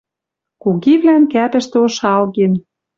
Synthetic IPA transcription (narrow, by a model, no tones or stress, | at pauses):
kuɣiβlænkæpɘ̆ʃt̪ĕoʃɑlɣen